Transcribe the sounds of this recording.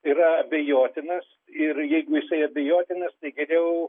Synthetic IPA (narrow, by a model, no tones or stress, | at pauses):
iɾɐɐbʲɛjoːt̪ʲɪnɐs | ɪrjɛɪɡʊjɪsɐɪɐbʲɛjoːt̪ʲɪnɐst̪ɐɪɡʲɛɾʲɛʊ